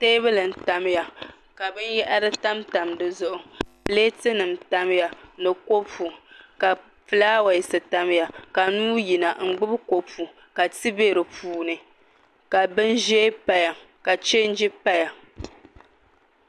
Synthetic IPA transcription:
teː˦βɨ˦lɨ˨n̩˨ta˨m˦ja˨ | ka˨bɨ˦njɛ˦ʔa˦ɾɨ˦ta˦mta˨mdɨ˦zʊ˦ʔʊ˨˦ | leː˦tɨ˦nɨ˨mta˦m˦ja˨nɨ˨ko˦pu˨ka˨ | pɨ˨laː˦wa˨ji˨sɨ˨ta˦m˦ja˨ka˨nuː˦ji˨na˨ŋ͡m̩˦ɡ͡bɨ˦bko˦pu˨ | ka˨tɨ˦be˦ɾɨ˨puː˦nɨ˨ | ka˨bɨ˦nʒe˦pa˦ja˨ | ka˨t͡ʃe˦n̩˦d͡ʒi˦pa˦ja˨

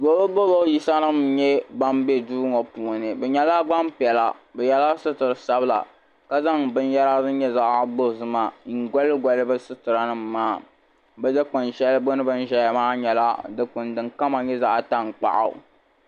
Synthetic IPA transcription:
ɡo˨˦bɨ˦bo˦bo˦ji˦sa˦nɨ˦mɲɛ˦ba˦m˦be˦duː˦ŋɔ˨puː˨nɨ˨bɨ˨ɲɛ˨la˦ɡ͡ba˦m˦pi˨ɛ˨la˨bɛ˨jɛ˦la˦sɨ˦tɨ˨ɾɨ˨sa˦bɨ˦la̰˨ | ka˦za˦ŋbɨ˦n˦ja˦ɾa˦zɨ˦ɲɛ˦za˦˨ʔa˦bo˦˨zɨ˨ma˨ŋ̩˨ɡɔ˦lɨ˦ɡʷɔ˨lɨ˦bɨ˦sɨ˦tɨ˨ɾa˨nɨ˦m̩ː˨aː˦˨ | bɨ˦dɨ˦k͡pɨ˨nʃɛ˦lɨ˦bo˦nɨ˦bɨ˦n̩˦ʒɛ˦ja˨maː˦ɲɛ˨la̰˦dɨ˨k͡pʊ˨ndɨ˨ŋka˦ma˨ɲɛ˦za˦ʔta˦ŋ˨k͡pa̰˨ʔa̰˨

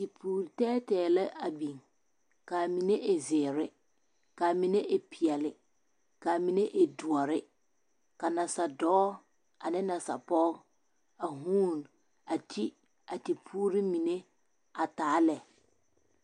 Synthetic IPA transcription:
ti˨pʰuː˦ɾi˨tɛː˦tɛː˨lɛ˦ʔa˨bi˨ŋ | ka˨mi˨ne˦ʔɪ˨zɪː˨ɾɪ˦ | ka˨mi˨ne˦ʔɪ˨pʰi˨ɛ˨lɪ˨ | ka˨mi˨ne˦ʔe˨du˨ɔ˨ɾɪ˦ | ka˨na˨sa˨dɔː˦ | a˨nɪ˦na˨sa̰˨pɔː˦ | a˨ɦuː˦n | a˨tʰi˦ | a˨ti˨pʰuː˦ɾi˦mi˨ne˦ | a˨taː˨˦lɛ˨

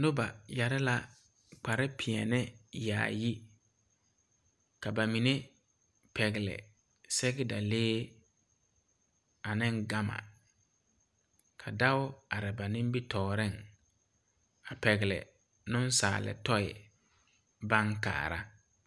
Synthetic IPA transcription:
nʊ˦ba˨ja˨ɾɪ˦la˦ | k͡pa˨ɾɪ˦pʰɪ˨ɛ̰˨nɪ˦ja̰ː˨ji˦ | ka˨ba˨mi˨ne˦ | pʰɛ˨ɣɪ˨lɛ̰˨ | sɛ˦ɡɛ˦da˨leː˦ | a˨nɪ˦ŋɡa˦ma̰˨ | kʰa˨da˦wʊ˦a˨ɾɪ˨ba˨nɪ̃˦m˦bi˦tʰɔː˨ɾɪ˦˨ŋ | a˨pɛ˨ɣɪ˨lɛ̰˨ | nʊ̃˦nsa̰ː˨lɪ̰˨tɔ˦ɪ̰˨ | ba˦ŋka̰ː˨ɾa˦

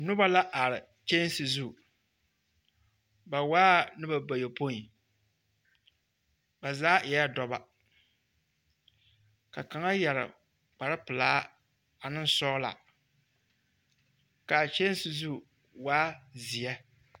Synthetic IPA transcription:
nʊ˦ba˦la˦ʔa˨ɾɪ˨ | t͡ʃe˦n˦sɨ˨zu˦ | ba˨waː˦nɨ˦ba˨ba˨jo˨po˦i˨ | ba˨zaː˦ʔɪ˨ja˦dɔ˨ba˨ | ka˨ka˨ŋa˦jɛ˨ɾɪ̰˨ | k͡pa˨ɾɨ˦pɨ˨laː˦ | a˨nɨ˦n˦sɔ˦la̰˨ | ka˨t͡ʃe˦n˦sɨ˨zu˦ | waː˦zi˨jɛ˦

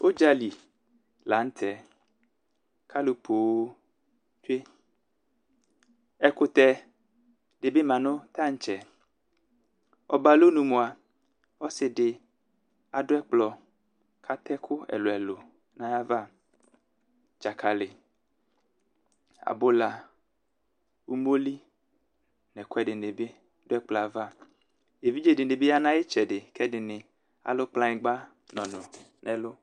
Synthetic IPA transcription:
wʔo˦d͡ʒa˦li˨ | la˨˦ŋ̩˦t̪ʰɛ˨ | kʰa˦lo˨pʰo˨w | t͡ʃe˦ | ɛ˦kʊ˦t̪ɛ˦ | ɖɪ˨be˦mã˨nʊ̃˦t̪a˦ŋ̩˦t͡ʃɛ˨ | ɔ̰˨ba˨lo˦nũ˨mõ˨a˨ | wɔ˦sɪ˨ɖɪ˨ | a˨ɖʊ˦ɛ˦k͡plɔ˨ | kʰa˦t̪ɛ˦kʰʊ˦ɛ̰˨lo˨ɛ˨lo˨ | nã˦ja˦va˦˨ | d͡ʒa˨kʰa˨lɪ˨ | a̰˨bʊ˦la˨ | wu˦mo˦li˦ | nɛ˨kʊ˦ɛ˦dɪ˨ne˨bɪ˦ | dʊ˦ɛ˦k͡plɔ˨a˨va˦˨ | e˨vi˦d͡ʒe˨dɪ˨nɪ˨bɪ˦a˦nã˦jɪ˦t͡ʃɛ˨dɪ˨kʰɛ˦dɪ˨nɪ˨ | a̰˨lʊ˦k͡plã˦ɪ̃˨ɡ͡ba˦ | nɔ̃˨nʊ̃˨ | nʔɛ˨lʊ˦

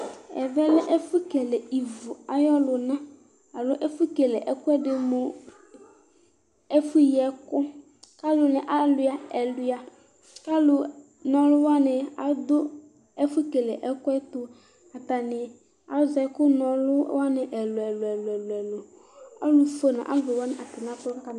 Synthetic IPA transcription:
ɛ̰˨vɛ˦lɪ˦ʔɛ˦fu˦ke˨le˨i˨vʊ˨a˦jɔ˦lʊ˨nã˦ | a˨lʊ˦ʔe˦fu˦ke˨lɪ˨ʔɛ˨kʊ˦ɛ˦dɪ˨mʊ˨ | e˦fu˦jɛ˨kʊ˦ | ka˦lʊ˨nɪ̃˨ʔa˦lʊ˨a˨ɛ˨lʊ˨˦ja˨ | ka˦lʊ˨ | nɔ˨lʊ˦wa˦nɪ˨a̰˨d̪ʊ˦ | ɛ˦fʊ˦ke˨lɛ˨ʔɛ˦kʊ˦ɛ˦t̪ʊ˨ | a˨t̪a˨nɪ˨ | a˨˦za˨˦kʊ˦nɔ̃˨lʊ˦wa˦nɪ˨ʔɛ˨lʊ˨ɛ˨lʊ˨ɛ˨lɛ˨lʊ˨ɛ˨lʊ˨ | a̰˦lʊ˨fo˦nã̰˨ʔa̰˦lve˨wa˦nɪ˨ʔa˨t̪ɪ˨nã˦tɔ˦ka˦ka˨n˨

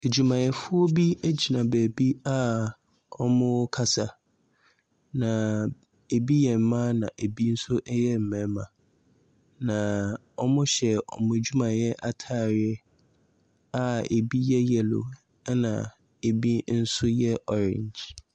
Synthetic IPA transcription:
e˨d͡ʑu˨mã˨jɛ˨fʊ˦ɔ˦bi˦e˦d͡ʑi˨nã˨bæ˨bi˦a˦ | ɔ˦mʊ̃˦kʰa˦sa˨ | nã˨ | e˨bi˦jɛ˨m̩˦mã˦nã˨ʔe˨bi˦n̩˦sʊ˦ʔɛ˦jɛ˦m̩˨mɛ̃˨˦mã˨ | nã˨ | ɔ˦mʊ̃˦ɕɛ˨ɔ̰˨mʊ̃˨d͡ʑu˦mã˨jɛ˦ʔa˦tʰaː˦˨ɾɪ˦ɛ˦ | a˦e˨bi˦jɛ˦jɛ˨lʊ̰˨˦ | nã̰˨ | e˨bi˦n̩˦sʊ˦jɛ˦ʔɔ˨ɾɪ̰̃˨ɲd͡ʑ

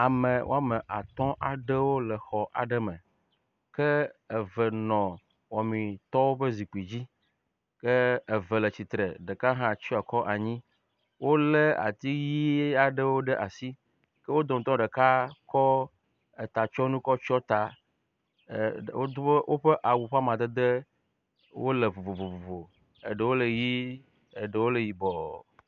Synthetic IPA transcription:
a˨mẽ˨wo˦a˦me˨ʔa˨t̪ɔ̃˦ʔa˨ɖɛ˦wo˦lɛ˨xɔ˨ʔa̰˨ɖɛ˦mɛ̃˨ | kɛ˦e˨vɛ˨nɔ̃˨ | wɔ˨mĩ˨t̪ɔ˦wo˦ɸə˦zi˨k͡pi˨d͡ʑi˦ | ke˦e˨vɛ˨lɛ˨t͡ɕi˨t̪ɾḛ˨ɖe˨ka˦ɦã˦˨t͡ɕi˦a˨kɔ˦ʔa˨ɲĩ˦ | wo˦le˦a̰˨t̪i˦ji˦e˦a˨ɖə˦wo˦ɖɛ˦ʔa˨si˦ | kə˦wo˦d̪ɔ˨t̪ɔ̃˦ɖe˨ka˦kɔ˦ | e˨t̪a˨t͡ʃɔ˦nũ˦kɔ˦t͡ʃɔ˦t̪a˨ | o˦o˦wʔo˦ɸe˦ʔa˨wu˨ɸa˦mã˨d̪e˦d̪e˦ | wo̰˦le˨vo˨vo˨vo˨vo˨vo˨ | ḛ˨ɖə˨wo˦le˨ji˦ | e˨ɖe˨wo˦le˨ji˨bɔ˨

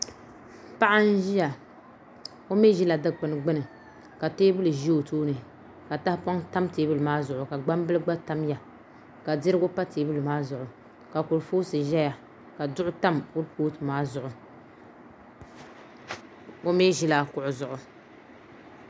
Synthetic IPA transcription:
pa˦ʔa˦n̩˦ʒi˦ja˨ | o˦me˦ʒi˦la˨dɨ˦k͡pɨ˨nɨ˨ɡ͡bɨ˦nɨ˨ | ka˨teː˦bɨ˦lɨ˨ʒi˦o˨toː˦nɨ˨ | ka˨ta˦hpa˦ŋta˦mteː˨˦bɨ˦lɨ˨maː˦zʊ˨ʔʊ˨ka˨ɡ͡ba˦m˦bɨ˦lɨ˦ɡ͡ba˦ta˦m˦ja˨ | ka˨dɪ˦ɾɨ˦ɡʊ˦pa˦teː˨bɨ˦lɨ˨maː˦zʊ˨ʔʊ˨ | ka˨kʊ˨lfoː˦sɨ˨ʒɛ˦ja˨ | ka˨dʊ˦ʔʊ˦ta˦mkʊ˦lpoː˦tɨ˨maː˦zʊ˨ʔʊ˨ | o˦meː˦ʒi˦laː˨kʊ˨ʔʊ˨zʊ˨ʔʊ˨

